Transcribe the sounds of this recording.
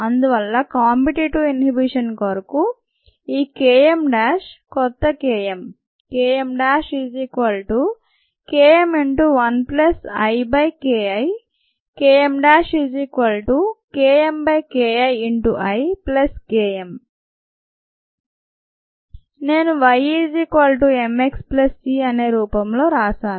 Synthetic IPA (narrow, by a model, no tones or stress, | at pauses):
ɐnd̪uʋɐlːɐkaːmpiʈiʈuinɦibiʂɐnkɐɾɐku | iːkeːemɖaːʃkɔt̪ːɐkeːjem | keːjemɖaːʃid͡ʒikʋɐlʈu | keːemiɳʈuʋɐnplɐsɐjbɐjkeːɐj | keːemɖaːʂiːd͡ʒiːkʋɐlʈukeːembɐjkeːɐjiɳʈuʔɐjplɐskeːem | ne̞ːnuʋɐjiːd͡ʒiːkaːlʈuemeksplɐsːiːɐne̞ːɾuːpɐmlo̞ːɾaːsaː